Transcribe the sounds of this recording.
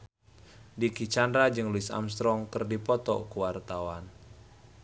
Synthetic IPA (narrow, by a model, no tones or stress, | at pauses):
dikit͡ʃandɾad͡ʒɨŋluisa̰mst̪ɾɔŋkɨrdipɔt̪ɔ̰kuwart̪awan